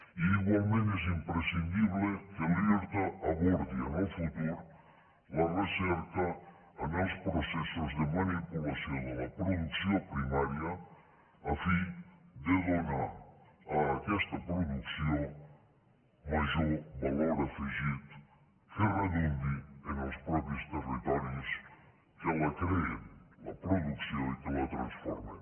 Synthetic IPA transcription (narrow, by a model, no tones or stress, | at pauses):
iːɣwalˠmẽnt̪ɛz̬impɾesind̪iβlekalieɾt̪aɐβoɾd̪ianelfut̪uɾu | lɐresɛɾkɐː | nospɾosɛsozd̪emanipulasjonalɐpɾoðuksjopɾimaɾjɐ | ɐfid̪eðonaɾ | ɐːkɛst̪ɐpɾoðuksjõ | maʒoɾbaloɾɐfiʒit̪ | ferɐnẽnd̪ienawspɾɔpjust̪erit̪ɔɾjus | kalɐkɾeelɐ̰pɾoðuksjõikelɐt̪ɾɐ̰̃sfɔ̰ɾmḛ